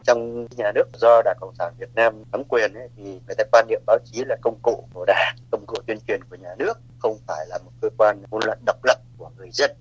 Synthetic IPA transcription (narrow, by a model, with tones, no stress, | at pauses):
t͡ɕɔ˧wŋ͡mɲaː˨˩nɨ˦˥ək̚zɔ˧ɗaː˧˩ŋkə̰˧˨wŋ͡msaː˧˩nvi˨˩ət̚naː˧mnə˨˦mkwi˨˩ənʔə˨˦t̪ʰi˨˩ŋɨ˨˩əjt̪aː˧˦kwaː˧nːḭ˧˨əmɓaː˨˦wt͡ɕi˨˦laː˨˩kə˧wŋ͡mkṵ˧˨ku˧˩əɗaː˧˩kə˧wŋ͡mkṵ˧˨t͡ɕ̪wi˧ənt͡ɕwi˨˩ənku˧˩əɲaː˨˩nɨ˦˥ək̚xə˧wŋ͡mfaː˧˩jlaː˨˩mo˨˩t̚kəː˧kwaː˧nmu˨˧˦nlwa̰ː˧˨jɗə˨˩wk͡p̚lə̰˧˩p̚ku˧˩əŋɨ˨˩əjzə˧n